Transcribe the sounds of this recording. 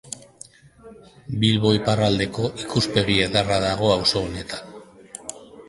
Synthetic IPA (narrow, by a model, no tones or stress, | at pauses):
bilβo̞jparald̪e̞ko̞ʔikuspe̞ɣieðaraðaɣ̞o̞awso̞ːne̞t̪ḁn